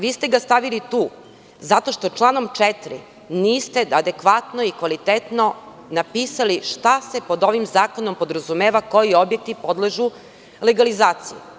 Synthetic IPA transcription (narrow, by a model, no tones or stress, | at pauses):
ʋiːst̪eɡast̪aʋilit̪uː | zat̪o̞ʃt̪o̞t͡ʃlˠaːno̞mt͡ʃɛt̪ɾḭ | niːst̪e̞ad̪e̞kʋat̪noikʋalit̪et̪no̞ | napiːsaliʃt̪asepo̞d̪o̞ʋimzaːko̞nompo̞d̪ɾazumeːʋako̞jio̞bjek̚t̪ipo̞d̪leʒu | leɡalizaːt̪siju